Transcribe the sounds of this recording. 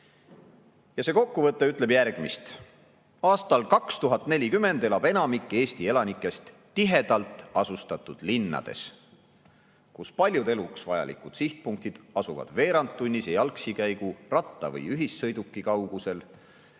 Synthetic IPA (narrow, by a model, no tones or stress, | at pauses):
jɑse̞ːko̞kːuvɤt̪ˑːe̞yt̪ˑle̞bjærɡ̥mist̪ | ɑːst̪ɑlkɑkst̪uɦɑt̪ːˑne̞lʲikymːe̞nd̪̥e̞lɑb̥e̞nɑmikːˑe̞ːst̪ie̞lɑnikːˑe̞st̪ːiɦe̞d̪̥ɑlt̪ˑɑsust̪ɑt̪ːˑud̪̥linːɑ̰d̪̥e̞̰s | kuspɑlʲjud̪e̞luksvɑjɑ̰lḭkˑud̪̥siht̪̚puŋk̚t̪id̪̥ɑsuvɑ̰d̪̥ve̞ːɾɑnt̪ːunʲːisejɑlksikæjɡ̥urɑt̪ːɑvɤ̰jyɦisːɤjd̪ukːˑikɑwɡ̥use̞l